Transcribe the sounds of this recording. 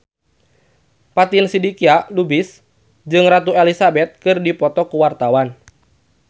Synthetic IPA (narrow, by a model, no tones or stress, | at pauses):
pat̪insidikialubɪs | d͡ʒɨŋrat̪uelisabɛt̪̚kɨrdipɔt̪ɔkuwart̪awan